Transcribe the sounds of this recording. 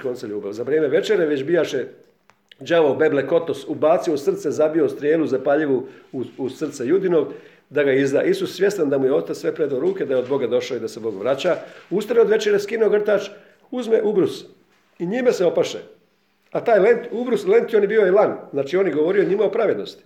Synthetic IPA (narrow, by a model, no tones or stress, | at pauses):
ko̞nseʎuːbaʋzaʋɾʲieːmeʋe̞t͡ʃeɾeʋet͡ɕbijaʃe | d͡ʒaʋobe̞bleko̞t̪osubaːt̪siosr̩t̪sezabio̞st̪ɾijeːluzapaʎiʋuuusr̩t̪sejud̪ino̞ɡ | d̪aɡaizd̪aːʔisussʋje̞st̪and̪amujeost̪at̪sʋe̞pɾed̪aɾuːke̞d̪ajeo̞d̪bo̞ɡad̪o̞ʃaid̪ase̞bo̞ɡʋɾat͡ɕaust̪aɾeod̪ʋe̞t͡ʃeɾeskinooɡr̩t̪aːt͡ʃ | uzmeʔubɾus | iɲimeseo̞paʃḛ | at̪aːjle̞nt̪ubɾusle̞nt̪jo̞njebio̞jelanznaːt͡ʃio̞ːnjeɡo̞ʋo̞ɾio̞ɲimaopɾaʋed̪no̞st̪i̥